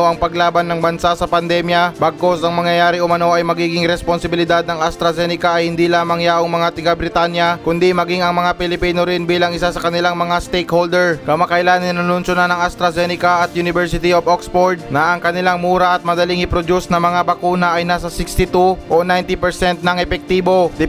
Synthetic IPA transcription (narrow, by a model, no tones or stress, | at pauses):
oʔɐŋpɐɡlaːbɐnːɐŋbɐnsasɐpɐnd̪ɛmjɐbaɡ̚kosɐŋmɐŋjɐjaːɾɪʊmɐno̞ʔɐjmɐɡiːɡɪŋɾɛsponsɪbɪlɪd̪ad̪̚nɐŋɐst̪ɾɐzɛnɪkɐɐjhɪnd̪ilaːmɐŋjaʔoŋmɐŋat̪ɪɡabɾɪt̪aːnjɐkʊnd̪imɐɡiŋɐŋmɐŋapɪlɪpiːnoɾɪnbiːlɐŋɪsasɐkɐnɪlaŋmɐŋast̪ejkhold̪ɛɹkɐmakɐʔɪlaːnɪnːɐnʊnʃonanɐŋɐst̪ɾɐzɛnɪkaʔɐt̪jʊnɪvɛɹsɪt̪ioboksfoɹd̪̚nɐʔɐŋkɐnɪlaŋmuːɾɐʔɐt̪̚mɐd̪ɐlɪŋɪpɾod̪usnɐmɐŋabɐkuːnɐʔɐjnaːs̬ɐsɪkst̪ɪt̪uʔonajnt̪ɪpɛɹsɛnt̪̚nɐŋɛpɛk̚t̪iːbod̪ɪ